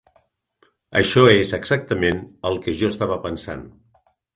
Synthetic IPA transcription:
ə̰ʃɔezəɡzak̚t̪əmenəlˠkəʒoəst̪aβəpənsa̰n

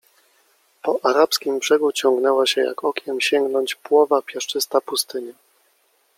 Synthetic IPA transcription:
pɔʔaɾapskʲimbʐ̥ɛɡut͡ɕɔŋɡnɛwaɕɛja̰kɔkʲjɛmɕɛŋɡnɔɲt͡ɕpwɔvapʲjɛʂt͡ʂɘst̪apust̪ɘɲɛ

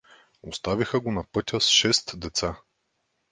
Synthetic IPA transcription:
ost̪avixəɡonɐpɤt̪ʲəsʃɛst̪d̪ɛt̪sa

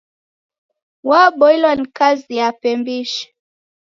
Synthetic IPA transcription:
waɓɔilwanikazijapɛmbiʃɛ̥

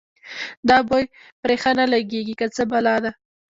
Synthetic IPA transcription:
d̪ɑbojpɾexanalaɡeɡikət͡səbalɑd̪a

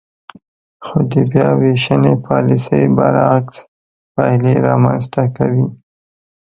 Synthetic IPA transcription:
xod̪əbjɑweʃənepɑlisəjbaɾaks | pajleɾɑmanst̪akawi

